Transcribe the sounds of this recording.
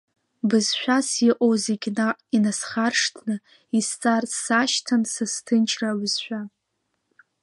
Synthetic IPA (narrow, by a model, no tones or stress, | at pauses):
bɨzʃʷᶣasiʔʼowzeɡʲainasχarʂtʰnɨ | ist͡sʼarsaʃtʰansastʰɨnt͡ʃʰraɥɨzʃʷᶣa